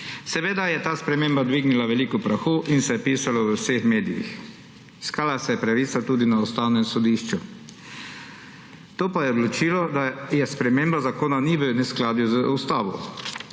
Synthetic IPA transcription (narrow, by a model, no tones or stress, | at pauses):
sɛʋeːd̪ajɛt̪aːspɾɛmeːmbad̪ʋiɡnilaʋɛliːkɔpɾaxuːʔinsɛjɛpiːsalɔwəwsexmeːd̪ijḭx | iskaːlasɛjɛpɾaʋiːsat̪uːd̪inaust̪awnɛmsɔd̪iːʃt͡ʃu | t̪oːpajɛod̪lɔt͡ʃiːlɔd̪ajɛspɾɛmembazakoːnaniʋənɛsklaːd̪juzəust̪aːʋɔ̰